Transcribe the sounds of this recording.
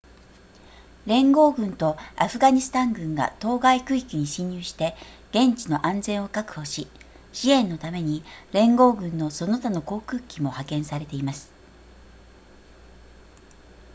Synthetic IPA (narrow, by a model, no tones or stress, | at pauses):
ɾẽ̞ŋɡo̞ːɡɯ̟̃nt̪o̞aɸɯ̟ɡaɲ̟isɨ̥t̪ãŋɡɯ̟̃ŋɡa̰t̪o̞ːɡaikɯ̟i̥kʲɯɲ̟iɕĩɲ̟jɨːɕi̥t̪e̞ | ɡ̥ẽ̞ɲt͡ɕino̞ʔãnd͡zẽ̞ɰ̃o̞kakɯ̟̥ho̞ɕi | ɕiẽ̞nːo̞t̪ame̞ɲ̟iɾẽ̞ŋɡo̞ːɡɯ̟̃nːo̞so̞no̞t̪ano̞ko̞ːkɯ̟ːkʲimo̞hakẽ̞ɰ̃saɾe̞t̪e̞imasɨ̥